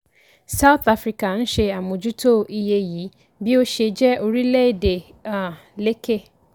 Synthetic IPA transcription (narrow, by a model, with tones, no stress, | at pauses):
sa˦ʊ˦θa˦fɾi˨ka˨n̩˦ɕe˨a˨mʊ̃˨d͡ʑu˦tʰo˦˨ʔi˦je˦ji˨˦ | bi˦o˦ɕe˨d͡ʑɛ˦o˨ɾi˦le˦˨de˨ | a˨ | le˦kʰe˦